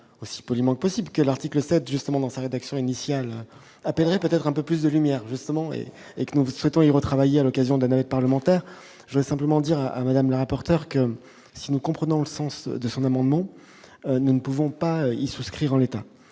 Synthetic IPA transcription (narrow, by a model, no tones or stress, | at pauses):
osi̥pɔlimɑ̃kəpɔsiblkəlaʁt̪ikləsɛt̪ʒyst̪əmɑ̃d̪ɑ̃saʁed̪aksjɔ̃inisjalø | apɛlʁɛpøt̪ɛt̪χɛ̃pøplys̬d̪əlymjɛːʁʒyst̪əmɑ̃ḛ | ekənuswɛt̪ɔ̃iʁət̪χavajealɔkazjɔ̃d̪əlanavɛt̪̚paʁləmɑ̃t̪ɛʁ | ʒəvd̪ʁɛsɛ̃pləmɑ̃d̪iʁaʔa̰mad̪amləʁapɔʁt̪œʁkə | sinukɔ̃pχənɔ̃ləsɑ̃sd̪əsɔ̃namɑ̃d̪mɑ̃ | ønunəpuvɔ̃paøisuskχiʁɑ̃let̪a